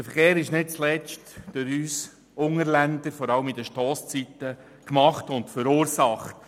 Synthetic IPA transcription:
dəfəɾχeːɾɪʃnɪt̚t͡slɛt͡ʃtd̥øɾyːs | ʊŋəɾlændəɾfɔɾɑləmɪdəʃtɔːst͡sitə | kmɑχtʊntfəɾuːɾsɑχt

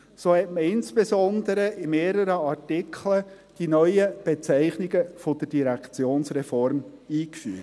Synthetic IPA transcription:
soːhɛtməɪnsbesɔnd̪əɾəʔɪmeːɾəɾəɑɾtɪkʰχlə | d̥inœʏəb̥et͡sæɪχnɪɡəfod̥̪əd̥iɾækt͡sjoːnsrɛfɔɾmiːkfyːə

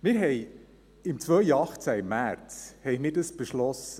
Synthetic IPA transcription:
mɪːɾɦɛɪ | ɪmt͡svœʏjəɑχt͡sæmːæɾt͡shɛɪxmɪːɾdəsb̥eʃlɔsə

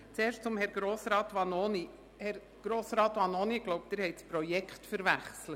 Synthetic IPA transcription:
t͡seːɾʃt͡sʊmhɛɾɡɾoːsɾɑːtʋɑnoni | hɛɾ | ɡ̥ɾoːsɾɑːt̪ʋɑnoniɡ̥loʊp̚d̥̪eɾhɛɪtspɾɔjɛkχtfəɾvæχslət

